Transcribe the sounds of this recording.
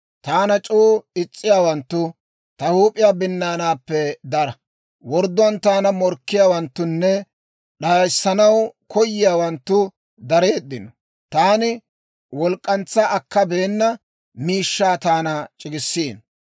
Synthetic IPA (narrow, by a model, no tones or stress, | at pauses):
t̪aːnɐt͡ʃʼuːɪt͡sʼːɪjaːwɐnt̪ːʊ | t̪ɐhuːpʼɪjaːbɪnːaːnaːpːɛd̪ɐɾɐ | wɔɾd̪ʊɐnt̪aːnɐmɔɾkːɪjaːwɐnt̪ːʊnːɛ | ɗaːjsːɐnɐwkʰɔjːɪjaːwɐnt̪ːʊ | d̪ɐɾeːd̪ːɪnɔ | t̪aːnɪ | wɔlkʼːɐnt͡sːɐʔɐkːɐbe̞ːnːɐ | miːʃːaːt̪aːnɐt͡ʃʼɪɡɪsːiːn